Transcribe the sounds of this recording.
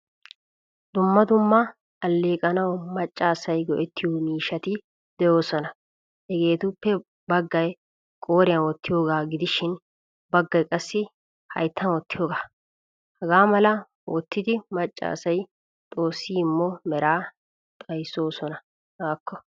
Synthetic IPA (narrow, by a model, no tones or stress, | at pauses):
d̪ʊmːɐd̪ʊmːɐː | lːeːkʼɐnɐwmɐt͡ʃʼːaːsɐjɡɔʔɛt̪ːɪjuːmiːʃɐt̪ɪ | d̪ɛjo̞ːsɔnɐ | hɛɡe̞ːt̪ʊpːɛ | bɐɡːɐj | kʼo̞ːɾɪjɐnwɔt̪ːɪjo̞ːɡaːɡɪd̪ɪʃɪn | bɐɡːɐjkʼɐsːɪ | hɐ̰jt̪ʰːɐnwɔt̪ːɪjo̞ːɡaː | hɐɡaːmɐlɐ | ɔt̪ːɪd̪ɪmɐt͡ʃʼːa̰ːsɐj | t̪ʼo̞ːsːiːɪmːɔmɛɾaː | t̪ʼɐjsːo̞ːsɔnɐ | aːkʰːɔ